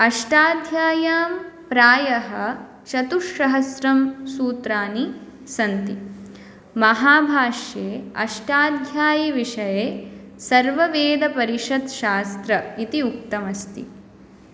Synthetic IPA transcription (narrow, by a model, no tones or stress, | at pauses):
ɐʂʈaːd̪ʱjaːjaːmpɾaːjɐɦɐ | ʃɐt̪uʂːɐɦɐsɾɐmsuːt̪ɾaːni | sɐnt̪i | mɐɦaːbʱaːʂjeːɐʂʈaːd̪ʱjaːjiʋiʂɐjeː | sɐɾʋɐʋeːd̪ɐpɐɾiʂɐd̪ʃaːst̪ɾɐit̪iuk̚t̪ɐmɐst̪ḭ